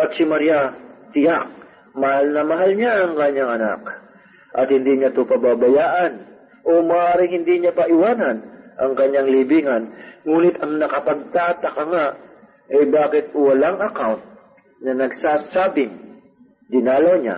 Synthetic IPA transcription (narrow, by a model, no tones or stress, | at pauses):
ʔɐt̪̚sɪmɐɾijat̪ɪjak̚ | mɐhalnɐmɐɦalɲaʔɐŋkɐɲːaŋʔɐna̰k̚ | ʔɐt̪hɪnd̪iːɲat̪ʊpɐbaːbɐjaːʔɐn | ʔomɐːʔaːɾɪŋhɪnd̪iɲapɐʔɪwaːnɐnʔɐŋkɐɲːaŋliːbiŋɐnŋuːnɪt̪ɐŋnɐkɐpɐɡ̚t̪aːt̪ɐkɐŋaʔ | ʔɐjbaːkɪt̪̚wɐlaŋʔɐkawnt̪̚ | nɐnɐɡsaːsaːbɪŋ | d̪ɪnaːlɐwɲa̰